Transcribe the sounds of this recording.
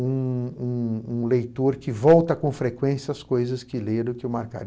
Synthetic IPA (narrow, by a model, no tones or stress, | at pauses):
ũũũlejt̪oɾkɪvɔwt̪ɐkõfɾekwẽsjɐɐskojzɐskɪleɾʊkɪewmaɾka̰ɾ